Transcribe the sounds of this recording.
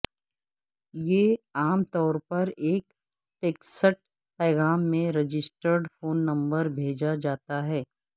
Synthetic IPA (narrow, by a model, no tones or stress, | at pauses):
jeːaːmt̪ɔːɾpɐɾeːk | ʈeːksəʈ̚ | pɛːɣaːmːẽɾɪd͡ʒɪsʈəɾɖfoːnːɐ̃mbəɾbʱeːd͡ʒad͡ʒaːt̪aɦɛː